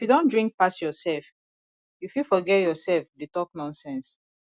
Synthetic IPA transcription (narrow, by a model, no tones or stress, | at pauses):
ifjudõndɹĩŋk̚pasjɔsɛlf | ifjufɔɡɛjɔsɛlfdetɔknɔ̃nsɛ̃ns